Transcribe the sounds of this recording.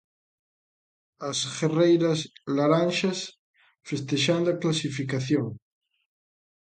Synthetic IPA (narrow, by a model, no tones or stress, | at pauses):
asɣerejɾaslaɾãnʃas | fest̪eʃand̪oaklasifikaθjoŋ